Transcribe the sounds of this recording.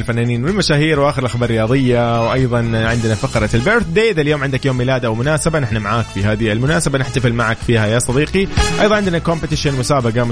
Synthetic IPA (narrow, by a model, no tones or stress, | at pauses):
lfanːaːniːnwɪlmaʃaːhiːɾwʔaːxɪɾɪlʔaxbɑːɾrˤːɪjɑːðˤɨjːawʔɑjðˤɑnʕɪnd̪nafaqɾˤɑlbɪɾθd̪eːd̪aljoːmʕɪnd̪akjoːmːiːlaːd̪ʔawmʊnaːsabanɪħnamaʕaːkfiɦaːðiɪlmʊnaːsabanɪħt̪afɪlmaʕakfiːhajasˤɑd̪iːqiʔɑjðˤɑnʕɪnd̪nakompɪt̪ɪʃɪnmʊsaːbaɡamʊ